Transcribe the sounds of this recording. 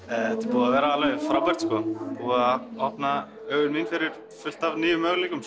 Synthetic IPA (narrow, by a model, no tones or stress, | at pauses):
ɛɛt̪ɪpuːðavɛːɾaalvɛðɪfɾawpɛɾ̥t̪skɔpuːðaɔhpna | œːɣʏnminfɪɾɪɾ̥ | fʏl̥t̪avniːjʏmœɣlikʏm